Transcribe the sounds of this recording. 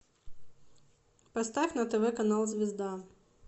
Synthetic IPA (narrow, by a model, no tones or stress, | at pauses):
pɐst̪afʲnɐt̪ɛvɛkɐnalˠzʲvʲɪzd̪a